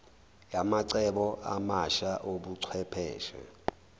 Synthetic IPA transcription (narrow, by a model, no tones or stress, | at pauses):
jamaǀɛɓɔʔamaʃaʔobuǀʰwɛpʰɛ̰ːʃɛ̰